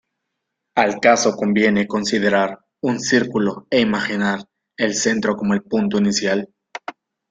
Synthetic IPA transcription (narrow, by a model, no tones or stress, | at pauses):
alkaso̞ko̞mbje̞ne̞ko̞nsiðe̞ɾaɾ | unsiɾkuloeimaxinaɾ | else̞nt̪ɾo̞ko̞moe̞lpunt̪oinisjal